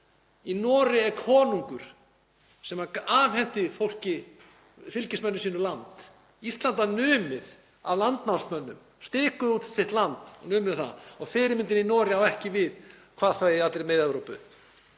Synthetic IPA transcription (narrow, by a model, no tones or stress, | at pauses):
inɔːɾɪɛɾkʰɔːnuŋkʏɾ̥ | sɛmaaːvhɛn̥t̪ɪfowl̥cɪ | fɪlcɪsmœnːʏsiːnʏlant̪ | ist̪lant̪anʏːmɪð | a̰vlant̪nawsmœnːʏm | st̪ɪːkʏðut̪sɪht̪lant̪ɔ̰nʏːmɪðɪθa̰ðɔɣfɪːɾɪmɪnt̪̬ɪninɔːɾɪawɛhcɪvɪðkʰvaːðθaiat̪lɾɪmejðɛvɾowpʏ̰